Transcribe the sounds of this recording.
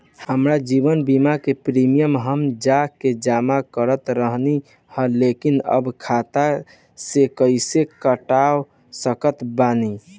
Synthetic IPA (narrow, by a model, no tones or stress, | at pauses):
həmɾad͡ʒibənbimakepɾimijəmɦəmd͡ʒaked͡ʒamakəɾət̪ɾəɦni | həlekinə̰bkʰat̪a | sekəɪsekəʈaw | səkət̪bani